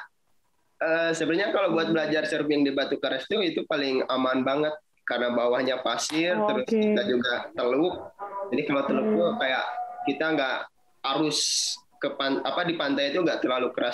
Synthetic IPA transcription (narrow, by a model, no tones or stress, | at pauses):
əːsəbərɲakalawbuat̪̚bəlad͡ʒarsəɾkijaŋdibat̪ukaɾast̪uit̪upalɪŋamanbaŋət̪̚ | karənabawahɲapasɪrt̪əɾʊskitad͡ʒuɡat̪əlʊk̚d͡ʒadikalawt̪əlʊk̚t̪ukajaʔkit̪aŋɡaʔ | aɾʊskəpanapadipant̪ajit̪uŋɡaʔt̪ərlalukəɾas